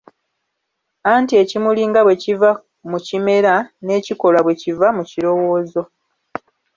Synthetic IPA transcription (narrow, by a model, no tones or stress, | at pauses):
aːntie̞cimuliːŋɡaβwe̞civa | mucime̞ɾane̞ːciko̞laβwe̞civamuciɾo̞wo̞ːzo̞